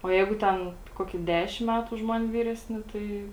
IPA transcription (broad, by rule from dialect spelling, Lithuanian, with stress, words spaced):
oː ˈjɛɪɡʊ ˈtʲɛn ˈkoːkʲiː ˈdʲæːʃʲɪm ˈmʲætʊ ʊʃ ˈmɐnʲ ˈʋʲiːrʲɛsʲˌnʲɪ ˈtɐɪ